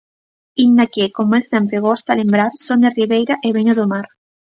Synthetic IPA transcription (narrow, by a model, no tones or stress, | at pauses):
ind̪akekomoelsempɾeɣ̞ost̪alẽmbɾaɾsoneriβejɾaʔeβeɲoðomaɾ